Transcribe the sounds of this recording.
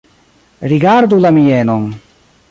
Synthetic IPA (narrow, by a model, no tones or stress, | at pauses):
ɾiɡaɾd̪ulamijɛnɔŋ